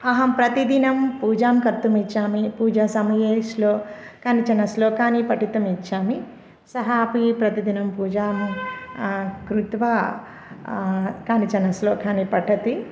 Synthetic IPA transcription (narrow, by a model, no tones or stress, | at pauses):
ɐɦɐmpɾɐt̪id̪inɐmpuːd͡ʒaːmkɐɾt̪ɐmit͡ʃːaːmipuːd͡ʒaːsɐmɐjeːʃloːkaːnit͡ʃɐnɐsloːkaːnipɐʈit̪ɐmit͡ʃːaːmi | sɐɦaːpipɾɐt̪id̪inɐmpuːd͡ʒaːm | kɾut̪ʋaː | kaːnit͡ʃɐnɐsloːkʰaːnipɐʈʰɐt̪i